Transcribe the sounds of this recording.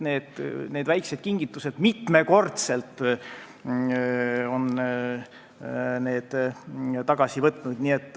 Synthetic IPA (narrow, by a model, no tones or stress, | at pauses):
ne̞ːd̪̥ne̞ːd̪̥væjksed̪̥̚kiŋɡ̥it̪ˑːuse̞d̪̥mit̪me̞ko̞rt̪se̞lt̪ːˑ | o̞n | ne̞ːd̪̥t̪ɑɡ̥ɑsivɤt̪ːˑnud̪̥niet̪ːˑ